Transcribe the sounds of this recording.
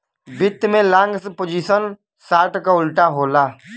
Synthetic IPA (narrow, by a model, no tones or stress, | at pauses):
bɪt̪ːmẽlãːŋɡspod͡ʒisən | saːʈkaʊlʈaɦoːlaː